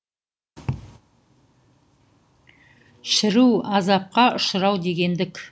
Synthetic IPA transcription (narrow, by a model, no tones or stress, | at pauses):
ʃɪɾuwɑzɑp̚qɑʔʊʃəɾɑwd̪e̞ɡʲe̞nd̪ɪkʲ